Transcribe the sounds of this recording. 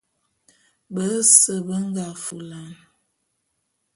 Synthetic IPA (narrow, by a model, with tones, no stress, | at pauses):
bə˨˦sə˨bə˦ŋ˦ɡa˨fu˨la˨n